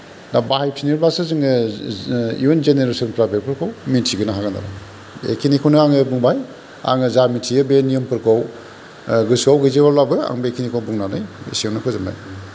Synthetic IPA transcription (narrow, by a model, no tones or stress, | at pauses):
nabahajp̚siniɾbasɯzɯŋɯ | ḭunzeneɾesɔnpʰɾabel̚pʰɯɾkʰawmitʰiɡɯnaɦaɡanda̰ɾa̰ | ḛkʰinikʰawnɯaŋɯbuŋbaj | a̰ŋɯzamitʰijɯbenijɯmpʰɯɾkʰaw | ɡɯsawɡɯzewalabɯa̰ŋbekʰinikʰawbuŋnanɯjḭsioŋnɯkʰɯzɯmba̰j